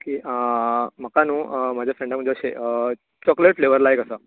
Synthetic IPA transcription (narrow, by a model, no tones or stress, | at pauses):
kiəməkanũmad͡ʑafɾɛ̃ɳɖəmd͡ʒot͡ʃʰeʔə | t͡ɕɔkleʈfleʋəɾlajkəsə